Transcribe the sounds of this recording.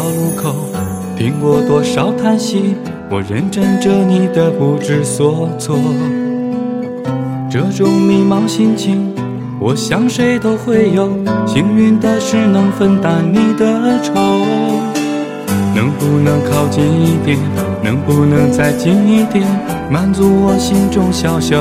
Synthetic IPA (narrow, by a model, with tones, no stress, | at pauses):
ʊlu˧˥kʰo˨˩ʊ | t̪ʰi˧˥ŋkwɔ˥˧t̪wɔ˥ʂɑ˨˩ʊt̪ʰa˥nɕi˥ | wɔ˨˩ɻə˧˥nʈ͡ʂə˥ŋʈ͡ʂɤ˥˧ni˨˩d̪ə˧pu˧˥ʈ͡ʂɻ̩˥˧swɔ˧˥t͡sʰwɔ˥˩ | ʈ͡ʂɤ˥˩ʈ͡ʂʊ˨˥˩ŋmi˧˩mɑ˧˥ŋɕi˥nt͡ɕʰi˧˥ŋ | wʔɔ˨˩ɕjɑ˧˥ŋʂe˥ɪt̪o˥ʊxwe˥˧ɪjo˨˩ʊɕi˧˥ŋy˥˧nt̪ə˧ʂɻ̩˥˩nɤ˧˥ŋfə˥nt̪a˨˥nni˨˩d̪ə˧˥ʈ͡ʂʰo˧˥ | nɤ˧˥ŋpu˧nɤ˧˥ŋkʰɑ˥˧ʊt͡ɕi˧ni˧˩t̪jɛ˧˩n | nɤ˧˥ŋpu˧nɤ˧˥ŋt͡sa˥˧ɪt͡ɕi˧˥ni˥t̪ɛ˧˩n | ma˧˥nt͡su˧˥wɔ˨˩ɕi˥nʈ͡ʂʊ˥˧ŋɕjɑ˧˩ʊɕjɑ˩˦